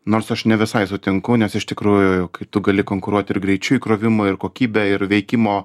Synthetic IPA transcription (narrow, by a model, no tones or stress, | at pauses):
noːrsɐʃnʲɛʋʲɪsɐɪsʊt̪ʲɪŋkʊnʲɛsɪʃt̪ʲɪkɾuːjʊʊkɐɪt̪ʊɡɐlʲɪkoːŋkʊɾuɔt̪ʲɪrɡɾʲɛɪt͡ʃʲʊikɾoːʋʲɪmoːɪrkoːkʲiːbʲɛɪrʋʲɛɪkʲɪmoː